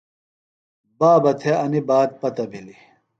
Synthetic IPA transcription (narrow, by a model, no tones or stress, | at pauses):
baːbɐt̪ʰeɐnibaːd̪̚pɐt̪ɐbʱili